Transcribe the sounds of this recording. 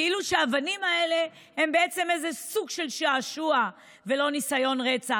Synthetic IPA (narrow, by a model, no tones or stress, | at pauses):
iluʃeavanimae̞le̞ | hembeet͡se̞mezesuɡʃe̞lʃaːʃua | velo̞nisajo̞nʁet͡sa